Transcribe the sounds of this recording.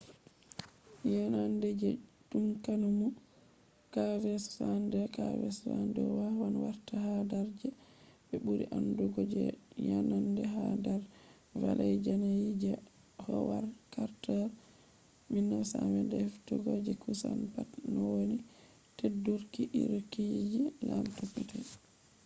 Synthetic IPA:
janandɛd͡ʒɛdumkanumu | kavɛsandɛkavɛ̰ssandɛ̰wawanwaɾtahadaɾd͡ʒɛbɛbuɾḭʔanduɡɔd͡ʒɛ̰janandɛɦadaɾ | valʔajd͡ʒanajid͡ʒɛ | hɔwaɾkaɾtɔɾ | minːasawɛndɛhɛftuɡɔd͡ʒɛkusanpatnɔwoni | tedːuɾkiʔḭɾokid͡ʒilamtopːitɛ

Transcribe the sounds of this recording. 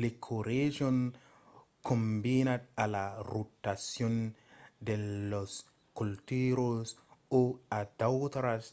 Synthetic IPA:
lekʰoɾeʒɔn | kʰombinat̪̚alaɾotasjɔndelos | kultiɾosoadawt̪ɾas

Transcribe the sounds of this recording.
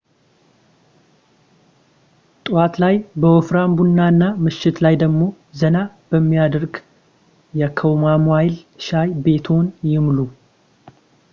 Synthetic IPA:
t̪ʼɨwat̪lajbəwɔfɾambunːaɨnːamɨʃːɪt̪lajd̪əɡmo̞ | zəna | b̥əmːijad̪əɾɡ | jɛkʰəwmamuajlʃajbe̞t̪ʰo̞njɪmlu

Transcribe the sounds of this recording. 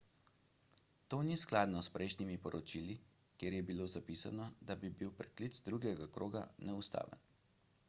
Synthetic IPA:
t̪oːnisklad̪nɔspɾɛjʃnimipɔɾʔɔt͡ʃili | kjeːɾjɛbiloːzapisanɔd̪abibiwpɾɛklit̪zd̪ɾuɡjɛɡakɾoːɡa̰nɛust̪a̰ːʋə̰n

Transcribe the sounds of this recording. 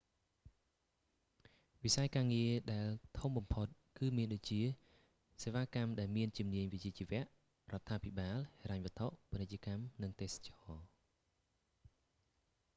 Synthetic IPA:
ʋisajkaːŋiəɗaɛlt̪ʰumɓɑmpʰot̪̚kɨːmiənɗoc̚t͡ɕiə | seːʋaːkamɗaɛlmiənt͡ɕumniəɲʋic̚t͡ɕiət͡ɕiʋɛ̆əʔ | rŏət̪ʰːaːpʰiɓaːlheɾaɲʋɔ̆ət̪ʰoʔponɨc̚t͡ɕə̆kamnɨŋt̪eːsḁt͡ɕɑː

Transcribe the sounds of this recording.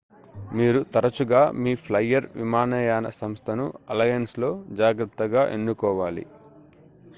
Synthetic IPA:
miːɾut̪ɐɾɐt͡ʃuɡaːmiːpʰlɐjːɐɾʋḭmaːnɛːjaːnɐ̰sɐmst̪ʰɐnuɐlɐjɐnslo̞ːd͡ʒaːɡɾɐt̪ːɐɡaːʔenːukɔːʋaːlḭ

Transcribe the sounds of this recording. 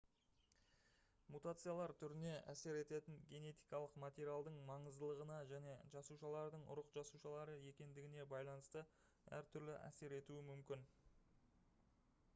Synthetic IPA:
mut̪at̪sɨjalˠɑɾt̪ʰʏɾɪne̞ʔæse̞ɾe̞t̪e̞t̪ɪŋɡʲe̞ne̞t̪ijkɑlˠəqmat̪ʲe̞ɾʲialˠd̪əɴmɑɴəzd̪əlˠəʁənɑʒæne̞ʒɑsuʃɑlˠɑɾd̪əɴʊ̰ɾəqʒɑsuʃɑlˠɑɾəje̞kʲe̞nd̪ɪɡʲɪne̞bɑjlˠɑnəst̪ə | æ̰ɾt̪ʰʏɾlɪʔæ̰se̞ɾe̞t̪uɪmʏmkʲɪn

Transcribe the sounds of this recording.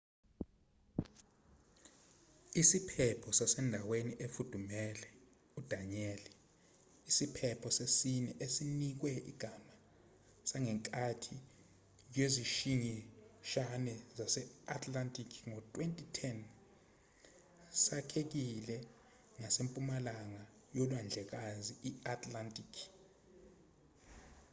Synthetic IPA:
isipʰɛpʰɔsasɛndʱaweniʔefud̥ʱumɛlɛ | ud̥ʱaɲɛli | isipʰɛpʰɔsesinɛʔesinik̬wɛḭɡ̥ʱama | saŋɛŋkʼatʰi | j̬weziʃiɲɛʃanɛzasɛatʰʼlantʼikʰŋɔtʼwentʼitʰɛn | sakʰek̬ilɛ | ŋasempʼumalaŋa | jɔlwand͡ɮʱɛk̬aziiatʰʼlantʼikʰ

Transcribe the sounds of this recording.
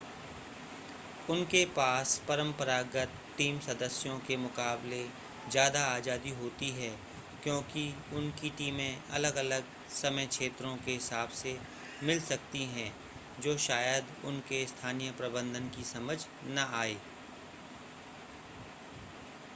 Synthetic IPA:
ʊnkepaːspɐɾə̃mpəɾaːɡət̪ | ʈːiːmsɐd̪əsjõkemʊqaːble | zjaːd̪aaːd͡ʒaːd̪iɦoːt̪iɦɛː | kjõːkiʊnkiʈiːmẽɐ̰ləɡɐləɡ | sɐməjkʃeːt̪ɾõkeɦɪsaːbse | mɪlsɐk̚t̪iɦɛ̃ | d͡ʒoːʃaːjəd̪ʊnkest̪ʰaːnijəpɾɐbə̃nd̪ʱənkisɐməd͡ʒʱ | naaːeː

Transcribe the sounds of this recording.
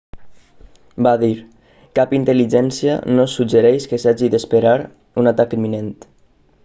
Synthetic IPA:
baðiɾ | kapint̪əliʒɛnsiə̰nosud͡ʒəɾɛjʃkəsaʒiðəspeɾaɾ | unat̪akimːinent̪

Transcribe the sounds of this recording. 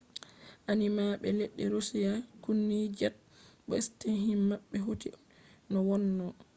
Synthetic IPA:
ʔanimaɓɛleɗːɛɾosijakunːid͡ʒat̚ɓɔistenɦimmaɓːɛɦotḭ | nɔwɔnːɔ

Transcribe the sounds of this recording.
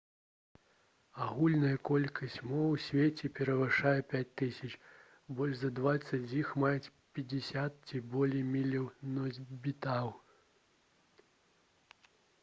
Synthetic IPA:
aɣulʲnɐjɐkɔlʲkʰɐsʲt͡sʲmɔwsʲvʲet͡sʲɛpʲɛɾɐvɨʂajɛpʲat͡sʲt̪ɨsʲɐt͡ʂ | bɔlʲʐzɐd̪vat̪sɐt͡sʲjixmajɛt͡sʲpʲɐd͡zʲisʲat̪̚t͡sʲibɔlʲejmʲilʲɐwnɔzʲbʲit̪aw

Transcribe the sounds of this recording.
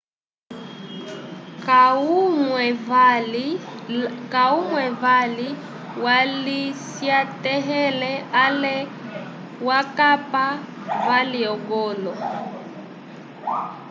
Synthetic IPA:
kumv | kaumwɛvali | walisjatɛɦɛlɛalɛ | wakapa | valiɔɡɔlɔ

